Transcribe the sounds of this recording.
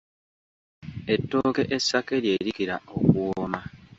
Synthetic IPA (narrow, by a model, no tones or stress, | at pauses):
e̞tːoːke̞ʔesːake̞ɾje̞ːɾikiɾao̞kuoma